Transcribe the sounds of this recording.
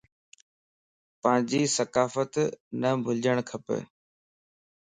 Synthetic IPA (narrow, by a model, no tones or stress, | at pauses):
pɐ̃ːɪ̃ɲd͡ʑiːsɐkaːfət̪nəbʱʊld͡ʑəɽ̃kʰɐpə̰